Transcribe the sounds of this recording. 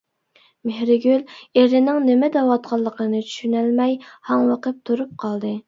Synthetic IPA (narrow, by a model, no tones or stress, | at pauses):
mehɾɪɡʲyleɾɪnɪŋnɪmɛd̪ɛwɑt̪qʰɑlˠːəqʰənɨt͡ʃʰy̥ʃynælmɛjhɑŋwɑqəp̚t̪ʰuɾup̚qʰɑlˠd̪ɨ